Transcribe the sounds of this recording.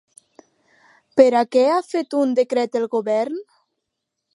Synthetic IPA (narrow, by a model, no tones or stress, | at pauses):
peɾakɛafet̪und̪ekɾɛt̪elˠɣoβɛɾn